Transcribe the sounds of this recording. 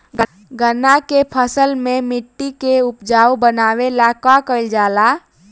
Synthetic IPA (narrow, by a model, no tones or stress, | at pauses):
ɡə | ɡənakepʰəsəlmẽmɪʈːikeʊpd͡ʒaːwbənaːwelakakəɪld͡ʒaːla